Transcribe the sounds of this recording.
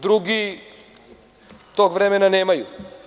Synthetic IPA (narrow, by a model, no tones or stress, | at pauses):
d̪ɾuɡi | t̪oɡʋɾemenaneːmaju